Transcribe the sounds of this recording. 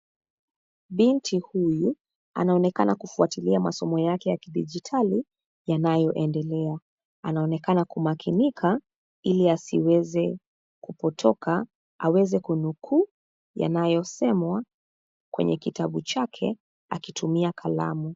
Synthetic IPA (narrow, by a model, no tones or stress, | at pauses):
ɓintʰihuju | a̰naɔnɛkanakufuatiliamasɔmɔjakɛjakiɗid͡ʒitʰali | janajɔʔɛndɛlɛa | anaɔnɛkanakumakʰinikʰa | iliasiwɛzɛ | kupɔtʰɔka | awɛzɛkunukʰu | ja̰najɔsɛmwa | kwɛ̰ɲɛkitaɓut͡ʃakʰɛ̰ | a̰kitʰumiakʰala̰mu